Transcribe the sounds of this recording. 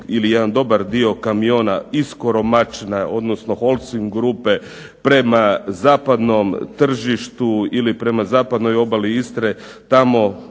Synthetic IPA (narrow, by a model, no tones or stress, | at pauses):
ilijed̪and̪o̞baɾd̪io̞kamio̞ːnaisko̞ɾo̞mat͡ʃnao̞d̪no̞sno̞xo̞lˠsiŋɡɾupe̞ | pɾe̞mazaːpad̪no̞mt̪r̩ʒiʃt̪uilipɾe̞mazaːpad̪no̞jo̞baliist̪ɾe | t̪amo̞